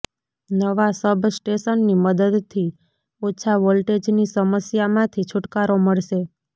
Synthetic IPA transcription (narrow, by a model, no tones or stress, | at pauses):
nəʋasəbʱsʈeʃənːiməd̪əd̪t̪ʰi | ot͡ʃʰaʋolʈed͡ʒnisəməsjamãt̪ʰit͡ʃʰʊʈkaɾoməɭʃe